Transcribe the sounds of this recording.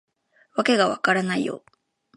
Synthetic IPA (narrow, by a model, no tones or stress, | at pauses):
βake̞ɡaβakaɾanaḭjo̰